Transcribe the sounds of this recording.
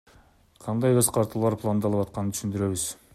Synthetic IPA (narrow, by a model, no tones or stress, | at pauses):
qʰɑnd̪ɑjøzqʰɑɾt̪ɯlˠlˠɑɾpʰlˠand̪ɑlˠɯpɑt̪̚qɑnənʰy̥ʃynd̪yɾe̞βyz̥